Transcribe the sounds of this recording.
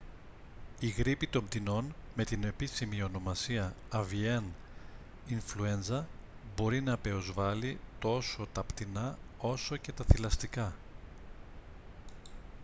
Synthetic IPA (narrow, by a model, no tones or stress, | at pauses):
iɣɾipit̪o̞md̪ino̞nme̞t̪ine̞pisimio̞no̞mɐsiɐ | ɐvien | iɱflue̞nzɐbo̞ɾinɐpe̞ozvɐlit̪o̞so̞t̪ɐpt̪inɐo̞so̞ce̞t̪ɐθilɐst̪ikɐ